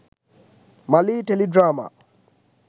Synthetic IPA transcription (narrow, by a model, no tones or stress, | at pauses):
malitɛlidɾama̰